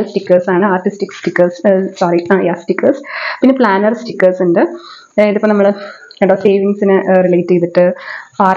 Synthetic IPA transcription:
sʈikːɐrsaːɳɨaːrʈːistikːsʈikːɐrssaːɾiajasʈikːɐrspinːepɭaːnɐrsʈikːɐrsunɖɨ | eðupːonɐmːɐɭ | eɳɖoːseːʋiŋɡsinɨrilɐjtːejt̪ːiʈːɨaː

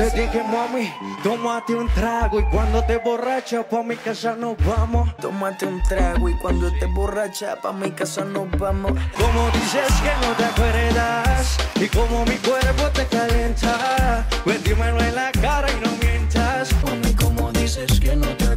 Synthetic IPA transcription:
pet̪ikemamit̪omat̪eunt̪ɾaɣoikwand̪ot̪eborat͡ʃapamikasanobamot̪omat̪eunt̪ɾaɣoikwand̪ot̪eborat͡ʃapamikasanobamokomod̪iseskenot̪ekweɾed̪asikomomikweɾpot̪ekaljent̪akwet̪imenoenlakaɾainomjent̪askomod̪iseskenot̪

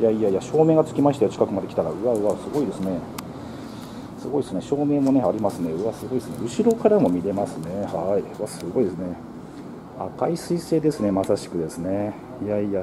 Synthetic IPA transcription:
jaiaiaɕo̞ːme̞ːɡat͡sɨ̥kʲimaɕi̥t̪ajot͡ɕi̥kakɯ̟mad̪e̞kʲi̥t̪aɾa̰ɯ̟βaɯ̟βasɨɡo̞id̪e̞sɨne̞ | sɨɡo̞id̪esɨneɕo̞ːme̞ːmo̞ne̞aɾʲimasɨne̞ɯ̟βasɨɡo̞id̪esɨnḛɯ̟ɕiɾo̞kaɾamo̞mʲiɾe̞masɨne̞haiɯβasɨɡo̞id̪e̞s̬ɨne̞ | a̰kaisɨise̞ːd̪e̞sɨne̞masaɕi̥kɯ̟d̪e̞sɨne̞ | jaija

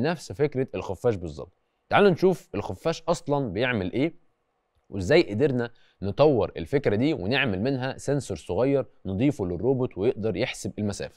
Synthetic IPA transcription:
næfsfekɾæelxʊfːæːʃbezˤːɑ̰bt̪ːˤ | t̪aʕaːlːænʃuːfelxofːæːʃʔɑsˤlɑnbejeʕmelʔeː | wʔezːæːjʔed̪iɾnæ | net̪ˤɑwːeɾʔḛlfekɾæd̪iːweneʕmelmɪnɦæsensoɾˤsˤoɣɑjːɑɾˤned̪ˤiːfulɪrːoːbot̪ˤwejeʔd̪ɑɾˤjeħsebelmæsæ̰ːfæ̥

